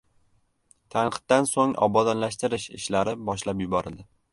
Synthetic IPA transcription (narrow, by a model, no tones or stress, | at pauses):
t̪ʰanqɨ̥t̪̚d̪ansoŋɒ̰bɒd̪ɒnlaʃt̪ɪɾɪʃɪ̰ʃlaɾɪbɒʃlapjʊbɒɾɪld̪ɪ